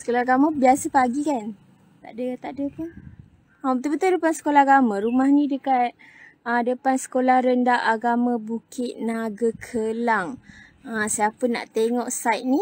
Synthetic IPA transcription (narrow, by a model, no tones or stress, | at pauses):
sə̥kolaaɡamabiasəpaɡikan | t̪a̰ʔdət̪aʔdəpə | aət̪ubət̪ʊdəpansə̥kolahaɡamãɾumahnĩdəkat̪̚ | ədəpansə̥kolahɾəndaʔaɡamãbukɪt̪̚naɡakʰəlaŋ | əsiapəna̰ʔt̪eŋɔʔsajt̪̚ni